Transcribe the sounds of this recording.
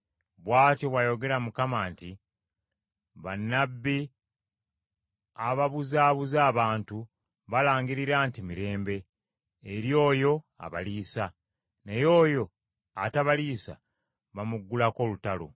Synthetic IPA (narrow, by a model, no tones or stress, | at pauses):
βwaːtoβwajo̞ɡe̞ɾamukamaːnti | βanːabːi | aβaβuzaːβuzaːβaːntu | βalaːŋɡiɾiɾaːntimiɾe̞ːmbe̞ː | ɾjo̞ːjo̞ | a̰βa̰liːsa | nejo̞ːjo̞ | a̰taβaliːsa̰ | βamuɡːulako̞lutalo̰